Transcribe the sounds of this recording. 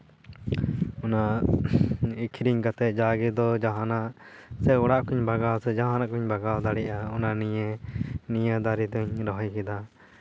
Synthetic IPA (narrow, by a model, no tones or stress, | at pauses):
ɔna | ikʰiɾiɲkat̪ɛd͡ʒaɡɛd̪ɔd͡ʒaɦanaʔsɛɔɽaʔkuɲbaɡawsɛd͡ʒaɦanaʔkuɲbaɡawd̪aɽɛʔaɔnanijenijad̪aɾid̪ɔɲɾɔɦɔjkɛd̪a